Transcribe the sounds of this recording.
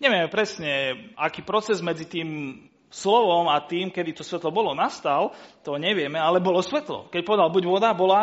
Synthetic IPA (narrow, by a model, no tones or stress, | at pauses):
ɲɛʋɪɛmɛpɾɛsɲɛakiːpɾɔt͡sɛzmɛd͡zit̪iːm | slɔʋɔmat̪iːmkɛd̪it̪ɔsʋɛt̪lɔbɔlɔnast̪alt̪ɔɲɛʋɪɛmɛalɛbɔlɔsʋɛt̪lɔ̰kɛc̚pɔʋɛd̪albuɟʋɔd̪abɔla